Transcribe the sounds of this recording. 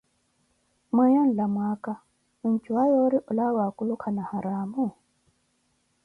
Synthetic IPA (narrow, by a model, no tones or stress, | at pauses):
mwajɔn̩lamwaka | unt͡ʃuwajɔɾiʔulawakulukʰanahaɾaːmu